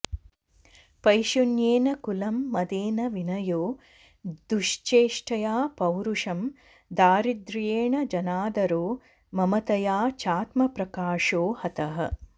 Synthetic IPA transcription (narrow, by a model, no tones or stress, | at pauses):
pɐjʃunjeːnɐkulɐmːɐd̪eːnɐʋinɐjoː | d̪uʂt͡ʃeːʂʈʰɐjaːpɐwɾuʂɐm | d̪aːɾid̪ɾjeːɳɐd͡ʒɐnaːd̪ɐɾoː | mɐmɐt̪ɐjaːt͡ʃaːt̪mɐpɾɐkaːʂoːhɐt̪ɐɦɐ̰